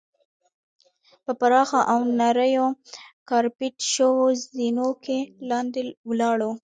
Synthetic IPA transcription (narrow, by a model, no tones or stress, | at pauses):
pəpaɾɑxaʔawnaɾəjokɑɾpɪʈʃəwozinokelɑnd̪ewlɑɽo